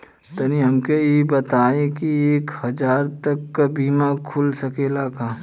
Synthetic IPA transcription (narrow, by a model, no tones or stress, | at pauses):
t̪ɐniɦɐmkeebɐt̪aːẽkieːkhɐd͡ʒaːɾt̪ɐkːabiːmakʰʊlsɐkeːlakãː